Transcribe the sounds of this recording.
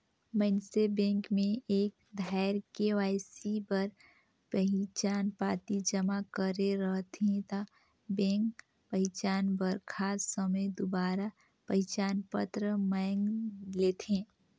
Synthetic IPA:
mənsebẽːŋkmẽʔeːk̚ | d̪ʱaɪɾkeʋaːɪsibəɾ | pəɦɪt͡ʃaːnpaːt̪id͡ʒəmakəɾeɾəɦt̪ẽt̪a | bẽːŋk | pəɦɪt͡ʃaːnbəɾkʰaːsːəməjd̪ʊbaːɾa | pəɦɪt͡ʃaːnpə̰t̪ɾəməŋɡleːt̪ẽː

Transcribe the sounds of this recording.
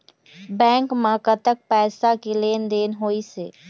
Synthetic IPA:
bɛ̃ːŋkmãkət̪ək̚pɛːsakeleːnd̪eːnɦoːiseː

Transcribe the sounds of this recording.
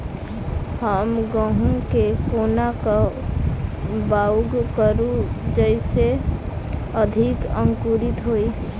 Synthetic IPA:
həmɡə̃ɦũkepʰoːnaka | baːɡkəɾud͡ʒəɪse | əd̪ʱikə̃ŋkuɾɪt̪ɦoːi

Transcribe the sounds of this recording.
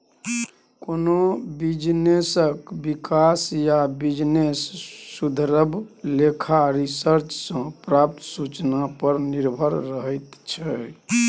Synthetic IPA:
konobid͡ʒnesəkbikasjabid͡ʒnesːud̪ʱəɾəbʱlekʰaɾisəɾt͡ʃsə̃pɾap̚t̪ʰsut͡ʃnapəɾniɾbʱəɾɾəɦət̪t͡ʃʰɛ

